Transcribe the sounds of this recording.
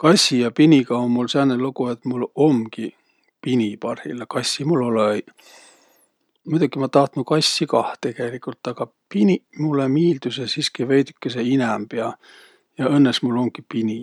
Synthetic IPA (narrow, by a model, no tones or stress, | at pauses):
kɑsʲːijɑpinʲikɑonmulsenːelukuet̪mulo̞mki | pinʲipɑrhḭlekɑsʲːimulːole | mujd̪̥ɑkːimɑt̪ɑht̪nukɑsʲːikɑht̪e̞kelikˑult̪ːˑɑɡ̥ɑ | pinimulːemiːld̪̥usesiskivejd̪ykːeseinæmpeɑ | jɑɤnːesmulːo̞mɡ̥ipinʲi